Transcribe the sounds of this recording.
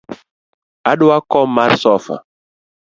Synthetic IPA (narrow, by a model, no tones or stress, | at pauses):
aɗuakɔmaɾsɔfa̰